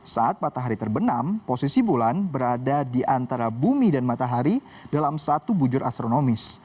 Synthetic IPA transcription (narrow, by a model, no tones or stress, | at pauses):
saʔat̪̚mat̪aɦaɾit̪ərbənamposisibolanbəɾadadiʔant̪aɾabumidanmat̪aɦaɾi | dalamsat̪ubud͡ʒʊɾʔa̰st̪ɾonomɪs